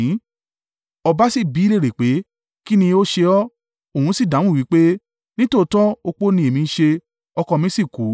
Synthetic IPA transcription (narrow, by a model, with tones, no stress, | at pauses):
ɔ˧ba˦si˦˨bi˨˦˧le˦˨ɾe˨k͡pe˨˦ | ki˦nĩ˧o˦ʃe˧ɔ˦ | o˨ũ˨˧˦si˦˨dã˨˦wũ˦˨wi˨˦k͡pe˦ | nĩ˦to˦˨˧tɔ˦o˧k͡po˦nĩ˧˦e˨mĩ˧˦ʃe˧ | ɔ˧kɔ˧mĩ˦si˦˨ku˨˦